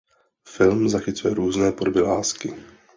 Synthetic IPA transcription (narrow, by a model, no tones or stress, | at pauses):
fɪlmzaxɪt͡sujɛɾuːznɛːpodobɪlaːskɪ